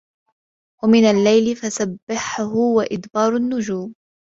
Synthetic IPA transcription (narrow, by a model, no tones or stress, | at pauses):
wamɪnalːajlɪfasabːɪħʊhʊwaʔɪd̪bɑːɾˤʊnːʊd͡ʒuːm